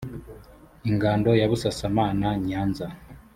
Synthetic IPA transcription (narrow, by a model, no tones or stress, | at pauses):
iŋɡaːndo̞jaβusasamaːnaɲaːnza